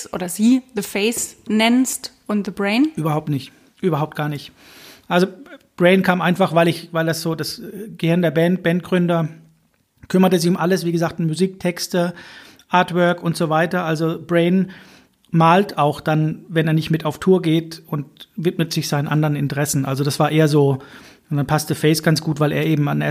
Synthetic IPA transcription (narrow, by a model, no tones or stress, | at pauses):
sʔo̰ːɾɐziːðəfeɪsnɛnstʔʊnðəbʁeɪnʔyːbɐhaʊp̚tnɪçt | ʔyːbɐhaʊp̚tɡ̥aːɐnɪçt | ʔalzob̥ʁeɪnkʰaːmʔaɪnfaχv̥aɪlɪçvaɪldasz̥oːdasɡ̥əhɪɐndeːɐbɛnt̚b̥ɛnt̚ɡ̥ʁʏndɐ | kʰʏmɐtəzɪçʊmʔaləsv̥iːɡəzaːk̚tmuziːk̚tʰɛkstə | ʔaɐtvœɐkʊntz̥ovaɪtɐʔalzobʁeɪn | maːltaʊxd̥anvɛneːɐnɪçtmɪtaʊftʰuːɐɡeːtʊntvɪtmətz̥ɪçz̥aɪnənʔandəʁənɪntəʁɛsn̩ʔa̰lzodasv̥aːɐʔeːɐzoː | nd̥anpʰastəfɛɪsɡ̥ant͡sɡ̥uːtv̥aɪlʔeːɐʔeːbm̩ane